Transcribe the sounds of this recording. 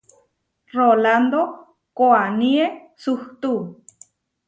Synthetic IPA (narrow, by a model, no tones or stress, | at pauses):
roland̪o | koanie | suht̪u